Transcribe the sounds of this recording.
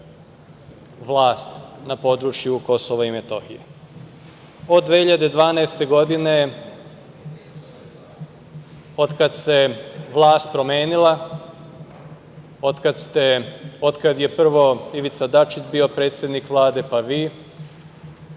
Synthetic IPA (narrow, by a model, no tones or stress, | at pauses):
ʋlˠaːst̪napo̞ːd̪ɾut͡ʃjuko̞so̞ʋaime̞t̪o̞̰xḭjḛ | o̞d̪ːʋehiʎad̪ed̪ʋaːnaest̪e̞ɡo̞d̪ine̞ | o̞d̪kad̪seʋlˠaːst̪̚pɾo̞me̞ːnilˠa | o̞d̪kad̪st̪eod̪kad̪je̞pr̩ʋo̞iʋit̪sad̪at͡ʃit͡ʃbiːo̞pɾe̞ːt̪sje̞d̪nikʋlˠaːd̪e̞paʋiː